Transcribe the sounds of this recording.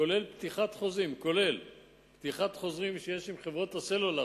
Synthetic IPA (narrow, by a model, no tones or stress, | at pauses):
kole̞lpt̪iχat̪χo̞zʁimko̞le̞l | pt̪iχat̪χo̞zʁimʃejeʃimχe̞vʁo̞t̪aselola